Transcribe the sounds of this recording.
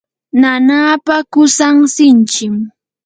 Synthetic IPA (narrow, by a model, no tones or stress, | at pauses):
nanaːpakʊsaŋsɪnt͡ʃɪm